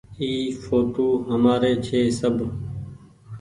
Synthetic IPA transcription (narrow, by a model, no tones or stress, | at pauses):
iːfoːʈoːɦəmaːɾeːt͡ʃʰeːsəbʱ